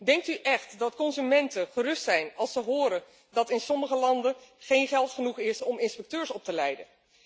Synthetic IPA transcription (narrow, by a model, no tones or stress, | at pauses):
dɛŋk̚tyʔɛχtdɑtkɔnzymɛntənχərɵstsɛjnɑlˠsəɦʊːɾən | dɑtɪnsɔməχəlɑndənχejnχɛlˠtχənuχɪsɔmɪnspɛk̚tøːɹsɔp̚təlɛjdən